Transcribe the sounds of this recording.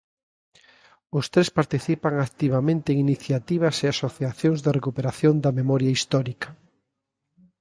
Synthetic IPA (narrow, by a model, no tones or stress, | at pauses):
ʊst̪ɾespaɾt̪iθipaŋakt̪iβamẽnt̪eːŋiniθjat̪iβ̞ɐseasoθjaθjoŋzðɪrekupeɾaθjond̪ɐmemɔɾjaist̪ɔɾikɐ̥